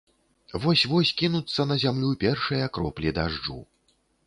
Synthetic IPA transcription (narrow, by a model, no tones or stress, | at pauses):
vɔsʲvɔsʲkʲinut̪sːɐnɐzʲamlʲupʲɛrʂɨjɐkɾɔplʲid̪aʐṵ